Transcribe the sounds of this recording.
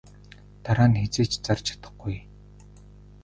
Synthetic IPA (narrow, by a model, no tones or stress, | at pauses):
t̪aɾaːnxet͡seːt͡ɕt͡sart͡ɕʰḁt̪ə̆χɡuj